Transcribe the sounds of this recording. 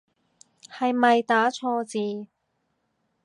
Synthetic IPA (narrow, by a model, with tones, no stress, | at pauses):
hɐ˨jmɐ˨jt̪aː˨˥t͡sʰɔː˧t͡siː˨˧